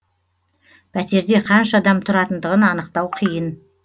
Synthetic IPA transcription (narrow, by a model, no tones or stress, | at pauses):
pʰæt̪e̞ɾd̪e̞qʰɑnʃɑd̪ɑmt̪ʰʊɾɑt̪ənd̪əʁənɑnəqt̪ɑwqʰijən